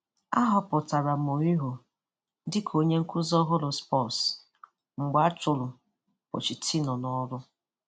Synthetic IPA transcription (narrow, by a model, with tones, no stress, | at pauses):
a˦ɦɔ˦pʊ˨ta˨ɾa˨m̩˨o˨ɲi˦ɦo˨ | dɪ˦kʰo˦ɲe˦ŋ̩˦kʷʊ˦zɔ˦ɦʊ˦lʊ˨spɔ˦˨s | ŋ͡m̩˨ɡ͡ba˦a˦tʊ˨lʊ˨ | ɔ̰˨t͡ʃi˨tʰi˦nɔ˨nɔ˦ɾʊ˦